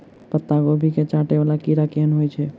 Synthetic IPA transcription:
pət̪ːaɡobʱiket͡ʃaʈebalakiɾakeənɦojt͡ʃʰɛ

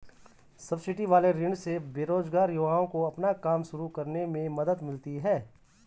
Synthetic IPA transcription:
sɐbsɪʈiʋaːleɾɪ̃ɳɖsebeːɾoːzɡaːɾjʊɡaːõkoɐpnakaːmʃʊɾukɐɾnemẽmɐd̪əd̪mɪlt̪iɦɛː

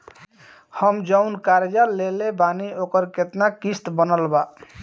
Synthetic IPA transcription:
həmd͡ʒəʊnkaɾed͡ʒalelebaniokəɾket̪nakist̪bənəlba

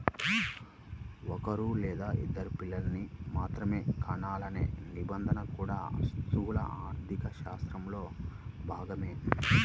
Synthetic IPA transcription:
ɔkɐɾulɛːd̪aːʔḭd̪ːɐɾupilːɐlɐnimaːt̪ɾɐme̞ːkɐɳaːlɐnḛːnibɐnd̪ʱɐnɐkuːɽa̰ːst̪uːlɐ̰ʔaːɾt̪ikɐʃaːst̪ɾɐmlo̞ːbʱaːɡɐme̞ː

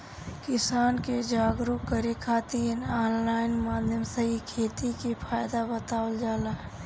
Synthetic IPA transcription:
kɪsaːnked͡ʒaːɡɾukəɾekʰaːt̪iːnaːnlaːɪnmaːd̪ʱjəmsəɦikʰeːt̪ikipʰaːjd̪abət̪aːwəld͡ʒaːla

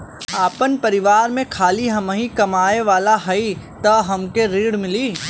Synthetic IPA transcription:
aːpənpɐɾɪʋaːɾmẽkʰaːliɦɐmɦĩkɐmaːeʋaːlaɦɐi | t̪ɐɦɐmkeɾiːɽmɪliː

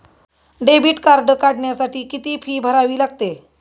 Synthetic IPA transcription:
ɖebiːʈkaɾɖəkaɽɳjasaʈiːkit̪iːfʰiːbʱəɾaʋiːlaɡt̪e

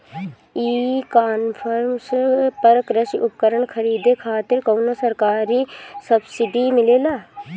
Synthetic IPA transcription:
iːkaːnpʰəɾmspəɾkɾəʃʔʊpkəɾəɳkʰɐɾiːd̪ekʰaːt̪ɪɾkoːnosɐɾkaːɾisɐbsɪɖimɪleːlaː

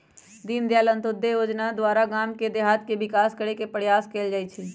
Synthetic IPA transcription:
d̪iːnd̪jaːlə̃nt̪ʊd̪ːejoːd͡ʒnad̪waːɾaɡaːmked̪eɦaːt̪keʋɪkaːskəɽekepəɽjaːskeːld͡ʒaːit͡ʃʰi

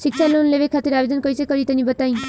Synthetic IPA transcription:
ʃikt͡ʃʰalonleʋekʰat̪iɾabed̪ənkəisekəɾit̪enibət̪aĩ

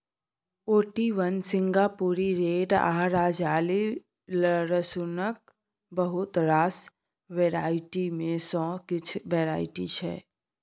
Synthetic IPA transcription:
oːʈiʋənsɪ̃ŋɡaːpuɾiɾeːɖaːɾaːd͡ʒaːli | ləɾəsʊnək̚ | bəɦʊt̪ɾaːs | ʋeːɾaːɪʈimẽsɔ̃ːkɪt͡ʃʰʋeːɾaːɪʈit͡ʃʰɛ̰ː

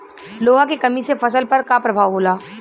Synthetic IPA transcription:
loːɦãkekɐmisefɐs̬əlpɐɾkapɾɐbʱaːʋɦoːlaː

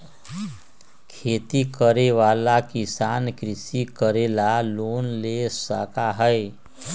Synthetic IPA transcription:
kʰet̪ikəɾeʋalakisankɾisikəɾelalonlesəkaɦəj

